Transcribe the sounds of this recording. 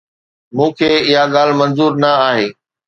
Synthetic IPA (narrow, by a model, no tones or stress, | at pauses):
mũːkʰeːɪɦaɠaːl̤mɐ̃nzuːɾnɐaːɦeː